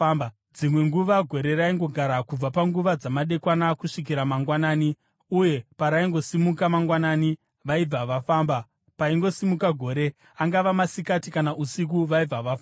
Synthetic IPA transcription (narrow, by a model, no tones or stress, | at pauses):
m | d͡zimwe̞ŋɡuʋaɡʱo̞ɾe̞ɾaiŋɡo̞ɡʱaɾakub͡vapaŋɡuʋad͡zamaɗe̞kwanakuʂik̬iɾamaŋɡwanaːni | uje̞paɾaiŋɡo̞simukamaŋɡwanani | ʋaib͡vaʋafaːmba | paiŋɡo̞simukaɡʱo̞ːɾe̞ | aŋɡaʋamasikatikanaʔusik̬uʋaib͡vaʋafa